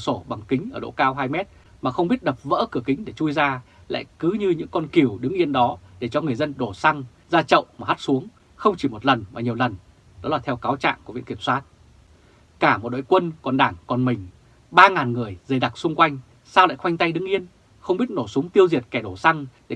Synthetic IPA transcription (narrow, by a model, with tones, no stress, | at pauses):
so˧˩ɓa˨˩ŋkï˨˦ŋ̟ʔəː˧˩ɗo̰˧˥kaː˧wɦaː˧jmɛ˦˥t̚ | maː˨˩xə˧wŋ͡mɓi˦˥ət̚ɗə˨˩p̚və̰ː˧˥kɨ˧˩əkï˨˦ŋ̟ɗe˧˩t͡ɕu˧jzaː˧ | la̰ː˧˨jkɨ˨˦ɲɨ˧ɲɨ̰˧˥ŋkɔ˧nki˨˧˩əwɗɨ˨˦ŋʔi˧ənɗɔ˨˦ɗe˧˩t͡ɕɔ˧ŋɨ˨˩əjzə˧nɗo˧˩sa˧ŋ | zaː˧t͡ɕə̰˧˨wʔmaː˨˩ha˦˥t̚su˨˦əŋ | xə˧wŋ͡mt͡ɕi˧˩mo˨˩t̚lə˨˩nmaː˨˩ɲi˨˩əwlə˨˩n | ɗɔ˨˦laː˨˩t̪ʰɛ˧wkaː˨˦wt͡ɕa̰ː˧˨ŋku˧˩v̰ḭ˧˨ŋki˧˩əmswaː˦˥t̚ | kaː˧˩mo˨˩t̚ɗo̰˧˨jkwə˧nkɔ˨˩nɗaː˧˩ŋkɔ˨˩nmï˨˩ŋ̟ | ɓaː˧ŋaː˨˩nŋɨ˨˩əjzə˨˩jɗa˨˩k̚sʊ˧ŋ͡mkwa˧jŋ̟ | saː˧wla̰ː˧˨jxwa˧jŋ̟t̪a˧jɗɨ˨˦ŋʔi˧ən | xə˧wŋ͡mɓi˦˥ət̚no˧˩su˨˦ŋ͡mt̪i˧əwzi˨˩ət̚kɛ˧˩ɗo˧˩sa˧ŋɗe˧˩